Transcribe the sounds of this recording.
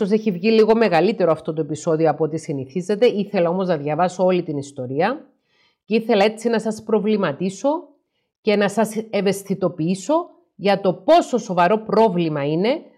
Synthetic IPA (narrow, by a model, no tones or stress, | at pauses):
ose̞çivʝiliɣo̞me̞ɣɐlit̪e̞ɾoɐft̪o̞t̪oe̞piso̞ðioɐpoot̪isiniθize̞t̪e̞iθe̞lɐo̞mo̞znɐðʝɐvɐsoo̞lit̪inist̪o̞ɾiɐ | ce̞iθe̞lɐe̞t͡sinɐsɐspɾo̞vlimɐt̪iso̞ | ce̞nɐsɐse̞ve̞st̪it̪o̞piiso̞ | ʝɐt̪o̞po̞so̞so̞vɐɾo̞pɾo̞vlimɐine̞